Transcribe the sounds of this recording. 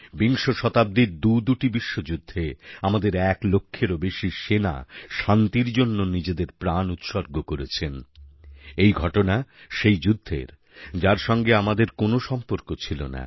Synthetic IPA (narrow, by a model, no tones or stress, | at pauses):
biŋʃoʃɔt̪ab̚d̪id̪ud̪uʈibiʃːod͡ʑud̪ʱːeamad̪eɾɛklokʰːeɾobeʃiʃena̰ʃant̪iɾd͡ʑonːonid͡ʑed̪eɾpɾanut̪ʃoɾɡokoɾet͡ɕʰen | ejɡʱɔʈonaʃejd͡ʑud̪ʱːḛɾ | d͡ʑaɾʃɔŋɡeamad̪eɾkonoʃɔmpoɾkot͡ɕʰilo̰na̰